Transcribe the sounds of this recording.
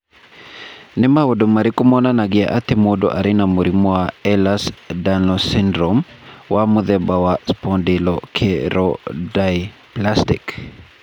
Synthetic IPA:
nɛmawodomaɾikumɔnanaɡia̰ʔat̪imodɔ̰ʔa̰ɾinamuɾimɔaɛlasdanɔsindɾɔmwamuðɛbawaspɔndilɔkʰeɾɔdajplastik

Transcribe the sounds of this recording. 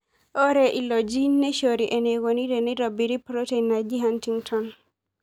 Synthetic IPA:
ʔɔɾɛʔilɔd͡ʒinɛʃoɾiʔɛnɛɡoniɾɛniɾɔbiɾipɾotɛnad͡ʒiɦantiŋtʰɔn

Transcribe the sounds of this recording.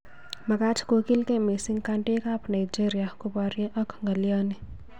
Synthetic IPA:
mɐɡaːt͡ʃʰkoːkilkemesiŋɡkaːɳʈekaːpnɐjd͡ʒeɾjakupaːɾjẽʔɐkʰŋɡɐlijaːni

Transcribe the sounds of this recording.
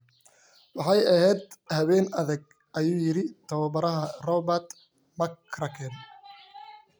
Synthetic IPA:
wɑħɑjɐɦɛːd̪hɐβɛːnɐðɐɡ̚ | ʔɐjuːjɪɾɪt̪ʰɐwɐbɐɾɐɦɐrɔbɐt̪ | mɐkɾɐkʰɛn

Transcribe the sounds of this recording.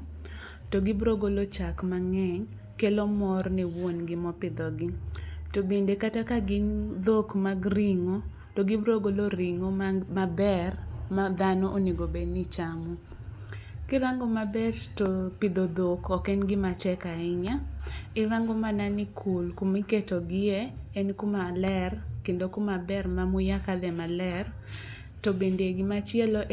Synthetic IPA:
toɡɪbɾoɡolot͡ʃakmaŋɛɲ | kelomɔrniwonɡɪmɔpɪd̪ɔɡɪtobendekatakaɡɪnd̪okmaɡriŋo | toɡɪbɾoɡoloɾiŋomabɛrmad̪anɔʔoniɡobenit͡ʃamu | kɪɾaŋɡomabɛrtopid̪od̪okɔkɛnɡɪmatɛkaɪɲaɪɾaŋɡomananɪkʰulkumiketoɡɪeːnkumalɛrkendokumabɛrmamʊjakad̪ɛmalɛr | tobendeɡɪmat͡ʃɪɛlɔʔ

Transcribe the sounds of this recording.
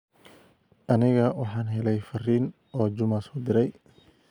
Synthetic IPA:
ʔɐnɪɣɐwɑħɑːnɦɛlɛjfɐriːn | ɔːd͡ʒʊmasɔd̪ɪɾɛj

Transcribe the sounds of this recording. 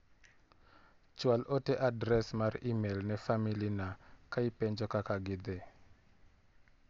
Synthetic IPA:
t͡ʃwalʔɔtɛʔadɾɛsmarimelnɛfamilinakaipɛɲd͡ʒɔkakaɡɪd̪e

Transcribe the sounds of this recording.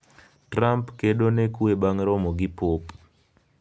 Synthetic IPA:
trampkeɗonekwebaŋɾɔmɔɡipop

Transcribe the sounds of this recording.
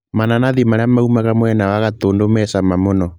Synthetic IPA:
mananaðimaɾeamaumaɣamwɛnawaɣatoːndomɛsamamonɔ

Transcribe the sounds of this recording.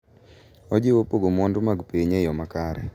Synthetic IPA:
ɔd͡ʒɪwopoɡomɔndʊmaɡpeɲejɔmakaɾɛ̰

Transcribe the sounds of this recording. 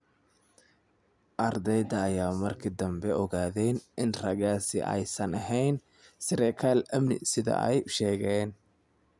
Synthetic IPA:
ʔɐrd̪ɛjd̪ɐːjaːmɐrkʰɪd̪ɐmbɛʔɔɣaːðɛnɪnrɐɣaːsɪ̰ʔɛ̰jsɐnɐɦɛjn | sɪɾɛkʰaːlɐmnɪ̰sɪðɐ̰ʔɛ̰jʃɛːɣɛːn

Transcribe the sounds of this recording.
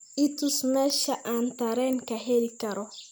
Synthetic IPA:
it̪usmeʃaʔant̪aɾenkaɦelkaɾo

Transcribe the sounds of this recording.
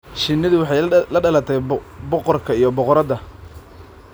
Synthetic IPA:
ʃɪnːɪðʊwɑħɑjlɐɖɐlɐt̪ʰɛjbɔqɔrkʰɐijɞbɔqɔɾɐðɐ

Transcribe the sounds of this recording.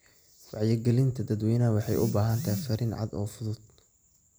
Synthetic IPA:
wɑʕjɐɡɛlɪnt̪ʰɐd̪ɐd̪wɛjnɐwɑħɑjʔʊ̰baːɦɐnt̪ʰɐfɐɾɪnʕɑ̰d̪ɔːfʊðʊd̪̥̚

